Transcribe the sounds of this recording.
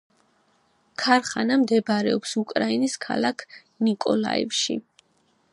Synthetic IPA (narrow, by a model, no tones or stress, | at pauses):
kʰaɾχanamd̪ɛbɾɛɔpsukʼɾainiskʰa̰lˠakʰ | nikʼɔla̰ḭfʃḭ